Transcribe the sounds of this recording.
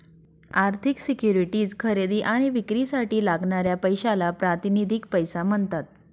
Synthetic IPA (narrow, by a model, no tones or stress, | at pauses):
aɾt̪ʰiksikjuɾiʈiːd͡zkʰəɾed̪iːʔaɽ̃iʋikɾiːsaʈiːlaɡɳaɾjapəjɕalapɾat̪inid̪ʱikpəjsaməɳt̪at̪̚